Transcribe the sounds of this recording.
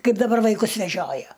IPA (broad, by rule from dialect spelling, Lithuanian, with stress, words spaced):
ˈkɐɪp dɐˈbɐr ʋɐɪˈkʊs ʋʲɛˈʒʲoːjɛ